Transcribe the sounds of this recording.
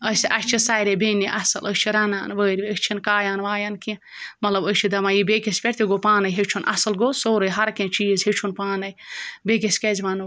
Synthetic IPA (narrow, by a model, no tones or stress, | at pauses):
əsiʔɐkʲt͡ʃʰisaːjɾebeːniʔɐsɐləsʲt͡ʃʰiɾɐna̰ːnʋəːɾʲʋʲiəst͡ʃʰinkaːjaːnʋaːjankĩ | mɐt̪lɐbət͡ʃʰid̪ɐmajibeːkispʲeɾt̪iɡopaːnɐjɦet͡ʃʰunʔɐ̰sɐlɡoːsoːɾɨjɦɐɾkẽt͡ʃiːzɦet͡ʃʰunpaːnɐjbeːkiskezʋaːnu